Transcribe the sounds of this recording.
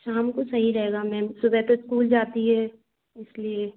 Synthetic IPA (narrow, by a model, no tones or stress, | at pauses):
ʃaːmkosɐɦiɾɐɦeːɡamɛ̃ːsʊbɛt̪oɪskuːld͡ʒaːt̪iɦɛː | ɪslie